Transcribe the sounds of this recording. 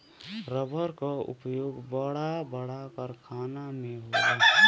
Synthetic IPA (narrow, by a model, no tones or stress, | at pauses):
ɾəbʱəɾkaṵpjoɡbəɽabəɽapəɾkʰaːnameɦoa